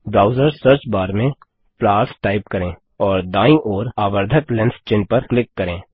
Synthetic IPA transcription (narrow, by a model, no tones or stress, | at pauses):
ɖɾaːʊzəɾsəɾt͡ʃbaːɾmẽ | plaːɾsʈaːɪpkɐɾẽː | ɔːɾd̪aːĩʔɔːɾaːbəɾd̪ʱəklɛ̃nst͡ʃɪnpɐɾklɪkːɐɾẽː